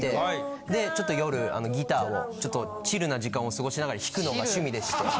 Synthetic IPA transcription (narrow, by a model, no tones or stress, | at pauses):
t̪e̞ | d̪e̞t͡ɕo̞t̪ːo̞jo̞ɾɯ̟a̰no̞ɡʲit̪aːo̞̰t͡ɕo̞t̪ːo̞ | t͡ɕiɾɯ̟naʑikãɰ̃o̞sɨɡo̞ɕinaɡaɾaçʲi̥kɯ̟no̞ɡaɕɨmʲid̪esɨ̥t̪e